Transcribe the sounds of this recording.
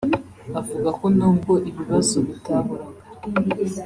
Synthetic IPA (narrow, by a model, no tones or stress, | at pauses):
avuɡako̞nuːmɡo̞ʔiβiβazoβitaβuɾaɡa